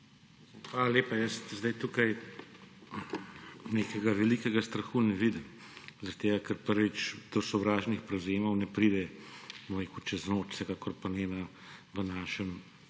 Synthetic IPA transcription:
xaːlaleːpajəst̪zd̪ɐjt̪uːkɐj | neːkɛɡaʋɛliːkɛɡast̪ɾɐxunɛʋiːd̪əm | zɐɾt̪eːɡakəɾpəɾʋit͡ʃd̪̥ɔsɔwʋɾaːʒnixpɾɛwzeːmɐwnɛpɾiːd̪ɛboɾeːkut͡ʃɛznoːt͡ʃsɛkaːkɔɾpɐneːna | ʋənaːʃəm

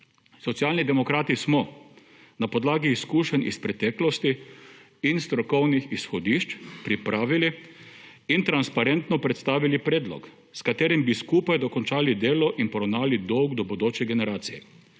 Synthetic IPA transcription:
sɔt̪sialnid̪ɛmɔkɾaːt̪ismɔ | napɔd̪laːɡiːskuːʃɛnḭspɾɛt̪ɛːklɔst̪i | inst̪ɾɔkɔwnixisxɔd̪iʃt͡ʃpɾipɾʔaːʋili | int̪ɾanspaɾent̪nɔpɾɛt̪st̪aːʋilipɾeːd̪lɔ̰k | skat̪eːɾimbiskuːpajd̪ɔkɔnt͡ʃaːlid̪eːlɔʔinpɔɾɔwnaːlid̪ɔwɡd̪ɔbɔd̪oːt͡ʃɛɡɛnɛɾaːt̪sijɛ

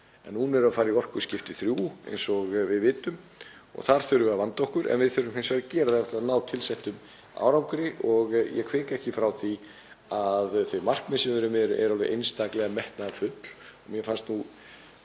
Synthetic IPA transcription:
ɛ̰nhunɛɾaðfaːɾiɔr̥kʏ̥scɪft̪ɪθɾjuːḛjnsɔɣvɪðvɪːt̪ʏm | ɔ̰ɣθaɾ̥θœɾʏvɛːɾavant̪owhkʏɾʔɛ̰nvɪðθœɾʏmhɪnsvɛːɾacɛːɾɪðɪɛht̪lvaðnaːwt̪ʰɪlsɛht̪ʏm | a̰ːwɾawmkʏɾɪʔɔɣjɛ̰kʰvɪːkɛhcɪfɾawθi | aðθvœjmar̥kmɪsɪmɾʏmɛɾʏʔɛ̰ɾalvɪ̰ʔejnst̪aklɛɣamɛht̪nafʏt̪l̥ɔɣmjɛfanst̪nu

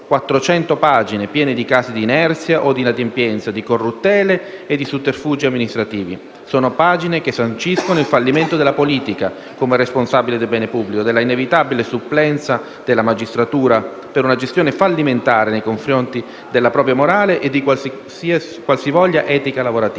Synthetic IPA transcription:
kwat̪ːɾot͡ʃɛnt̪opad͡ʒinepjɛːned̪ikaːsid̪iːnɛrt̪sjaʔod̪inad̪empjɛnt̪sad̪ikorːut̪ːɛːleːd̪ːisuperfuːd͡ʒiamːinist̪ɾat̪iːvḭ | soːnopaːd͡ʒinekesant͡ʃiskonoilfalːiment̪od̪elːapoliːt̪ika | komerːesponsabiled̪elbɛːnepubːlikod̪elːainevit̪abilesupːlɛnt̪sa | d̪̥elːamad͡ʒist̪ɾat̪uːɾa | peɾunad͡ʒest̪joːnefalːiment̪aːɾenejkoɱfɾont̪i | d̪elːapɾɔːp̬ɾjamoɾaːleʔed̪ːikwas | si | kwalsivɔʎːaʔɛːt̪ikalavoɾat̪i

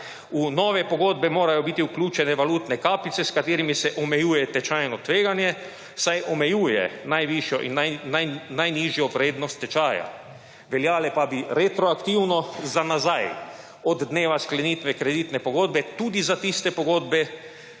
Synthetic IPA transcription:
unɔːʋɛpɔɡoːd̪bɛmoːɾajɔbit̪iuklʲuːt͡ʃɛnɛʋalut̪nɛkaːpit̪sɛskat̪eːɾimisɛʔɔmɛjuːjɛt̪ɛt͡ʃajnɔt̪ʋeːɡanjɛ | sajʔɔmɛjuːjɛ̰najʋiʃjɔʔḭnananajniʒjɔpɾeːd̪nɔst̪ːɛt͡ʃaːja̰ | ʋɛljaːlɛpabiɾet̪ɾɔakt̪iwnɔzanazaj | ɔd̪ːneːʋasklɛnit̪ʋɛkɾɛd̪iːt̪nɛpɔɡoːd̪bɛt̪uːd̪izat̪ist̪ɛpɔɡoːd̪bɛ

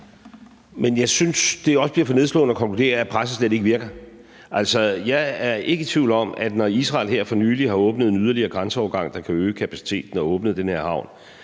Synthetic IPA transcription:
menjɑ̈ɪsynsd̥e̝ɒ̽səb̥liɐfɒ̽ne̝ð̞ˠs̬lɔ̰̽ːnəɒkʰɒ̽ŋkʰlud̥e̝̰ːɐæpʰʁasəsled̥e̝ɡ̥əʋiɐɡ̥ɐ | ʔæl̰sɒjɑ̈ɪæɐe̝ɡ̥ət͡sʰʋiʊ̰ld̥ɒ̽mæd̥nɒisʁɑ̰̈ːlɦeɐ̰fɒ̽nyːliɦɑ̈ɔ̽ːb̥nəð̩ˠe̝nyð̞ˠɐliɐːɡ̥ʁɑnsəɒʊɐɡ̥ɑ̈ŋ̰d̥ɑ̈kʰæøːkʰæpʰæsi̥t͡sʰe̝̰ːd̥n̩ɒɔ̽ːb̥nəð̞̩ˠd̥enheɐ̰hɑ̈ʊ̰n

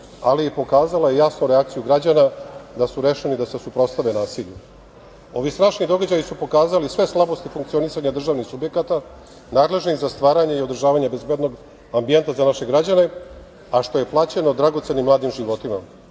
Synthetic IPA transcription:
aliepo̞kaːzalajejasnuɾeak̚t̪sijuɡɾad͡ʑanad̪asuɾe̞ʃenid̪ase̞supɾo̞t̪st̪aʋenaːsiʎu | o̞ʋist̪ɾaːʃnid̪o̞ɡad͡ʑajisupo̞kaːzalisʋe̞slˠabost̪ifuŋkt̪sio̞nisaɲad̪r̩ʒaʋnixsubje̞kat̪a | naːd̪le̞ʒniɣzast̪ʋaːɾaɲeio̞d̪ɾ̩ʒaːʋaɲebezbe̞d̪no̞ɡ | ambie̞nt̪azanaʃe̞ɡɾad͡ʑane̞ | aʃt̪o̞je̞plˠaːt͡ɕe̞no̞d̪ɾaɡo̞t̪se̞nimlaːd̪imʒiʋo̞t̪ima̰

